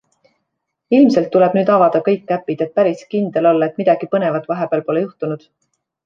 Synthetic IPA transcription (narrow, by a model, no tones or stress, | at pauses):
ilmse̞lt̪ːule̞b̥nyːd̪ɑvɑd̪̥ɑkɤ̞jkˑːæpːˑid̪̥e̞t̪̚pæɾiskind̪̥e̞lo̞lːɑet̪ːmid̪̥ɑɡ̥ipɤne̞vɑt̪ːˑvɑɦe̞b̥eːlpo̞lejuht̪unud̪̥